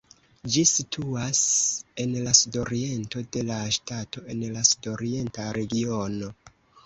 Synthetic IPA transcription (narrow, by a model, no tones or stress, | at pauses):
d͡ʒisitʰuase̞nlasudo̞ɾie̞nto̞de̞laʃtato̞e̞nlasudo̞ɾie̞ntaɾe̞ɡio̞no̞